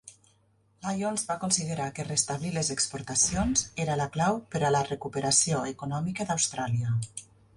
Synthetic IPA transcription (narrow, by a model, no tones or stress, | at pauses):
lajonzβakunsiðəɾakərest̪aβliləzəkspuɾt̪əsionzeɾələklawpəɾələrəkupəɾəsioekunɔmikəðawst̪ɾaliə